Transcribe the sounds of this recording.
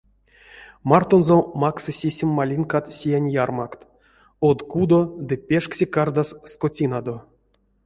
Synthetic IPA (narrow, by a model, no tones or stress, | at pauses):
mart̪onzomaksɨsʲesʲimʲːalʲinkat̪sʲijanʲjarmakt̪ | od̪kud̪od̪ɨpʲeʂksʲekard̪asskotʲinad̪o